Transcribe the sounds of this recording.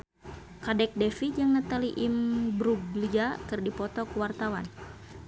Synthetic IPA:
kadɛk̚dɛfid͡ʒaŋnat̪aliʔimbɾuɡlid͡ʒakɨrdipɔt̪ɔkəwart̪awa̰n

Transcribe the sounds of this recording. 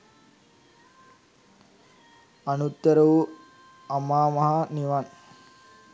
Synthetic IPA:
ɐnut̪ːɐɾɐʋu | ɐmaːmɐɦaniʋan

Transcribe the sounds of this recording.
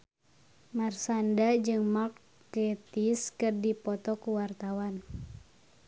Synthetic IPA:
marsandad͡ʒɨŋmar | kɛt̪iskɨrdipɔt̪ɔkuwart̪awan

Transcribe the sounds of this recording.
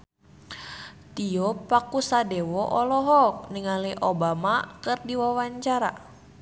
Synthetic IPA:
t̪iɔpakusadɛwɔʔɔlɔɦɔkniŋaliʔobamakɨrdiwawaɲt͡ʃaɾa̰

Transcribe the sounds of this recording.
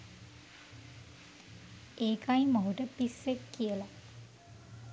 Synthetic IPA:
eːkajmɐɦuʈəpisːekːijəla

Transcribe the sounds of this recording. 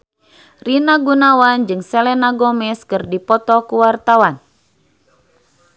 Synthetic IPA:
rinaɡunawand͡ʒɨŋsɛlɛnaɡɔmɛskɨrdipɔt̪ɔkuwart̪awan

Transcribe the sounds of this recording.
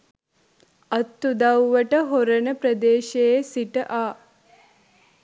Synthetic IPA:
ɐt̪ːud̪ɐwʋɐʈəɦoɾɐnɐpɾɐd̪eːʃejesiʈəʔaː

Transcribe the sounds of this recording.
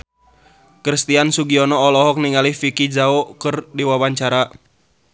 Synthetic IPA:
kɾist̪iansuɡiɔnɔːlɔɦɔk̚niŋalifikid͡ʒaokɨrdiwawaɲt͡ʃaɾa

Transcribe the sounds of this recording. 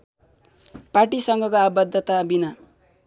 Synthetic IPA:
parʈisʌŋɡʌkoabʌd̪ʱːʌt̪abina

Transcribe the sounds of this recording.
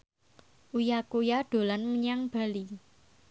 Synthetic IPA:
ʔujakojaɖ̥o̤lanməɲaŋb̥a̤li

